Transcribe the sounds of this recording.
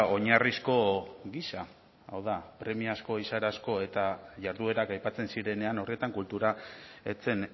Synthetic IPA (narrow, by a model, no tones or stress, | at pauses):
o̞ɲarisko̞ɣisa | awðapɾe̞miasko̞isaɾasko̞e̞t̪aʝaɾðue̞ɾakajpat͡se̞nsiɾe̞ne̞ano̞rie̞t̪aŋkult̪uɾae̞t͡se̞n